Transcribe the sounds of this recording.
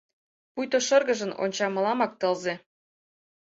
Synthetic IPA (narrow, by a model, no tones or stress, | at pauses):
pujt̪oʃɤ̆rɣə̆ʒə̆no̰nʲt͡ɕɑmɤ̆lɑmɑk̚t̪ɤ̆lze